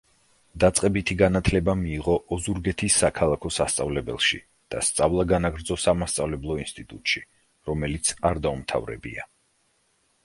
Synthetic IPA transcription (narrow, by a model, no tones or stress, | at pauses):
d̪̥at̪sʼqʼɛbit̪ʰiɡanat̪ʰlɛbamiːʁɔʔɔzuɾɡɛt̪ʰisːakʰalˠakʰɔsast̪sʼavlɛbɛ̰lˠʃḭ | d̪̥a̰st̪sʼavlˠaɡanaɡɾd̪zɔsamast̪sʼavlɛblˠɔinst̪ʼit̪ʼut̪ʼʃi | ɾɔmɛlit̪sʰaɾd̪aumt̪ʰa̰vɾɛ̰bḭa̰